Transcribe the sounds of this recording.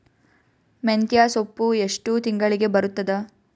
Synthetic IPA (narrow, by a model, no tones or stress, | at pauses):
ment̪jaːsopːueʂʈut̪iŋɡɐɭiɡe̞bɐɾut̪ːɐd̪ɐ